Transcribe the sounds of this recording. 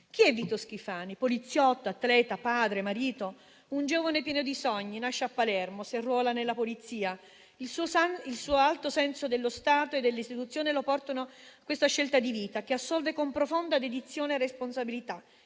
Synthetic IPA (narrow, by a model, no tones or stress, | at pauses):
k̟iɛvːiːt̪osk̟ifaːnipolit̪sːjɔt̪ːoat̪ːlɛːt̪apaːd̪ɾemaɾiːt̪o | und͡ʒoːvanepjɛːnod̪isɔɲːinaʃːeapːalɛrmoserːwɔːlanelːapolit̪sːiːa | isilsuːalt̪osɛnsod̪elːost̪aːt̪oed̪ːelːist̪it̪ut̪sːjoːnelopɔrt̪onoakːwest̪aʃːelt̪ad̪iviːt̪ak̟easːɔlvekompɾofond̪ad̪ed̪it̪sːjoːnerːesponsabilit̪a